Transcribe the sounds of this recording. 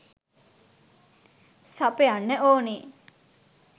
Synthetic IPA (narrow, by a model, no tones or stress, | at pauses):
sapejanːəʔoːni